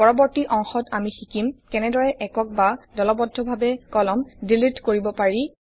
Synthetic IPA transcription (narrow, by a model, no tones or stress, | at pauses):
pɔɹɔbɔɹtiʔɔŋxɔtamixikimkɛnɛdɔɹɛʔɛkɔk̚badɔlɔbɔdʱːɔbʱabɛkɔlɔmdilitkoɹibɔpaɹi